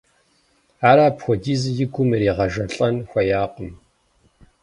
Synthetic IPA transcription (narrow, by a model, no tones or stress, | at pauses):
aːɾaːpxʷɔdiːzjɪɡʷʊmɨɾiːʁɐʒɐɬʼɐnxʷɐjaːqʼəm